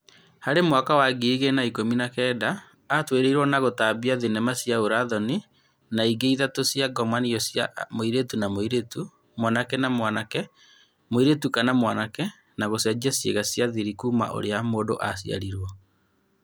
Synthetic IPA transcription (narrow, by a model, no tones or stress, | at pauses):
haɾemwakawaɡiɣenaikominakɛːdaː | tweɾeiɾwɔnaɣotabiaðenɛmasjaoɾaðɔni | naiɡeiðatosjaɡɔmaniɔsja̰moiɾetunamoiɾetu | mwanakɛnamwanakɛ | moiɾetukanamwanakɛ | naɣosiad͡ʒiasjḛɣasjaðiɾikuːma̰ʔo̰ɾeamoːdo̰ʔasia̰ɾiɾwɔ